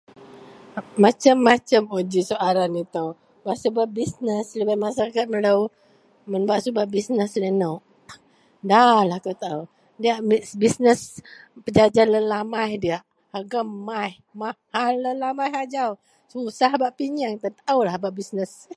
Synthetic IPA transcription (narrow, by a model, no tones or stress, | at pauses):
mat͡ʃəmːat͡ʃəmod͡ʒisoʔaɾanit̪əw | baʔsubap̚bisnəslibat̪̚masaɾakat̪̚məlaw | mənbaʔsubaʔbisnəslənawʔ | dalahkot̪au | diaʔmibisnəs | pəd͡ʒad͡ʒaləlamajdiaʔ | haɡəmːajh | ma | halːəlamajɦad͡ʒaw | susahbaʔpiɲaŋt̪at̪aulahbaʔbisnəs